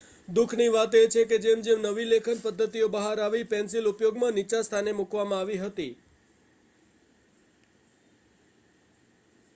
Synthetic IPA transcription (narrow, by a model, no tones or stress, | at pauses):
d̪ukʰniʋat̪et͡ʃʰeked͡ʒemd͡ʒemnəʋilekʰənpəd̪ʱːət̪ijobəɦaɾaʋipɛ̃nsilupjoɡmãnit͡ʃast̪ʰanemukʋamãaʋiɦət̪i